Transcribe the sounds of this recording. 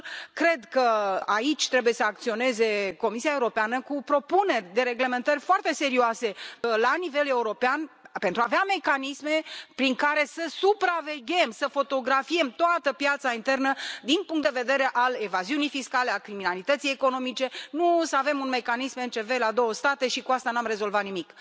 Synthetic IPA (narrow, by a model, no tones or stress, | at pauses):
kɾe̞d̪kəait͡ʃʲt̪ɾe̞buje̞səak̚t̪sio̞ne̞ze̞ko̞misiaeuɾo̞peanəkupɾo̞pune̞rʲd̪e̞ɾe̞ɡle̞me̞nt̪ərʲfoart̪e̞se̞ɾioase̞lanive̞le̞uɾo̞peanpe̞nt̪ɾuaveame̞kanisme̞pɾiŋkaɾe̞səsupɾave̞ɡʲe̞msəfo̞t̪o̞ɡɾafie̞mt̪oat̪əpjat̪saint̪e̞rnəd̪inpuŋkt̪d̪e̞ve̞d̪e̞ɾe̞ʔale̞vaziunijfiskale̞akɾiminalit̪ət̪sijeko̞no̞mit͡ʃe̞nusəave̞munme̞kanisment͡ʃe̞ve̞lad̪o̞wəst̪at̪e̞ʃikuast̪anamre̞zo̞lvat̪nimik